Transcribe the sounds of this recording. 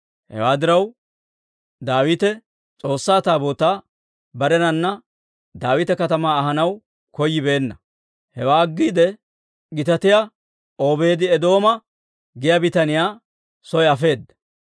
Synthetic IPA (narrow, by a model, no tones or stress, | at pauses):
hɛ̰waːd̪ɪɾɐw | d̪aːwɪt̪ɛ | t͡sʼo̞ːsːaːt̪aːbo̞ːt̪aː | bɐɾɛnɐnːɐ | d̪aːwɪt̪ɛkɐt̪ɐmaːɦɐnɐw | kɔjːɪbe̞ːnːɐ | hɛwaːɡːiːd̪ɛ | ɡɪt̪ɐt̪ɪja | oːbe̞ːd̪ɪɛd̪o̞ːmɐ | ɡɪjaːbɪt̪ɐnɪjaː | sɔjɐfe̞ːd̪ːɐ